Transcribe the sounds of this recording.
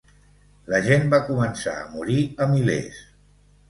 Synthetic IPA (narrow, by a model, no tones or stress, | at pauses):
ləʒenbakumənsa̰ə̰muɾiəmilḛs